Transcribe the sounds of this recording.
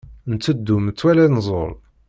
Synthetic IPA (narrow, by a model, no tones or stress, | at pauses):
nt͡sːəd̪ːumt͡sːwælænzˤo̰ɾˤ